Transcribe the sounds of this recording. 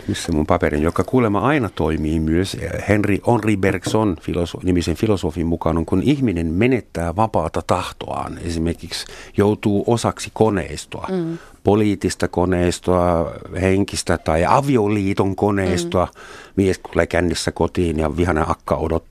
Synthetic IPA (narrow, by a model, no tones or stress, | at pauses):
misːemumpɑperḭnjokːɑkuːlemɑɑinɑt̪oimiːmyøshenriʔonriberksonfilosonimisenfilosofimmukɑnoŋkunihminenmenet̪ːæːʋɑpɑːt̪ɑt̪ɑht̪o̰ɑ̰ːnḛsimerkiksjout̪uːʔosɑksikonḛist̪oɑ̰ | poliːt̪ːist̪ɑkoneist̪oɑheŋkist̪æt̪ɑiɑ̰ʋioliːt̪oŋkoneist̪oɑmiest̪ulːækænːisːækot̪iːnjɑʋihɑneʔɑkːɑ̰odot̪ː